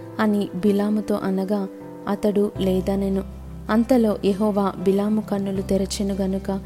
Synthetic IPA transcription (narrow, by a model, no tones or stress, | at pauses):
ɐnibilaːmut̪o̞̰ːʔɐnɐɡaː | ɐt̪ɐɽulɛːd̪aːneːnu | ɐnt̪ɐlo̞ːʔjeɦɔːʋaːbilaːmukɐɳːulut̪ɛɾɐt͡ʃinuɡɐnukɐ